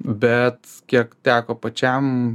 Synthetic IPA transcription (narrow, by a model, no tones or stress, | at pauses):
bʲɛt̪kʲiɛkt̪ʲæːkoːpɐt͡ʃʲɛm